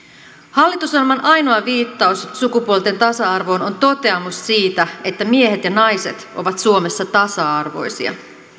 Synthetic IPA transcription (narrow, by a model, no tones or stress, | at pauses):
hɑlːit̪usɑrmɑnʔɑjno̞ɑʋiːt̪ːɑussukupuolt̪e̞nt̪ɑsɑɑrʋo̞ːnont̪o̞t̪e̞ɑmussiːt̪æe̞t̪ːæmie̞ɦe̞t̪jɑnɑjse̞̰t̪ʔo̞̰ʋɑt̪suo̞me̞sːɑt̪ɑsɑɑrʋo̞̰jsḭɑ̰